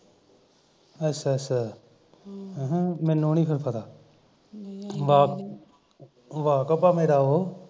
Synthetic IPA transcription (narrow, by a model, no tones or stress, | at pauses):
əsɛsɛ | ɦmɛ̃ːnõːniːpʰɪɾpʰət̪aː | ʋaːk | ʋaːkəpːaːmeːɾaːoː